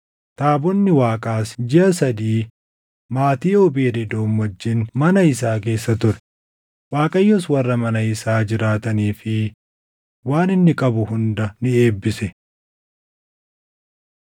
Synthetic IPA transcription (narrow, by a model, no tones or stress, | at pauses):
t̪aːbɔnːɪwaːkʼaːsd͡ʒɪʔɐsɐd̪iː | maːt̪iːobeːd̪ɛd̪o̞ːmwɐd͡ʒːɪnmɐnɐɪsaːke̞ːsːɐt̪ʊɾɛ̥ | waːkʼɐjːɔswɐrːɐmɐnɐɪsaːd͡ʒɪɾaːt̪ɐniːfɪ | waːnɪnːɪkʼɐbʊhʊnd̪ɐnɪeːbːɪsɛ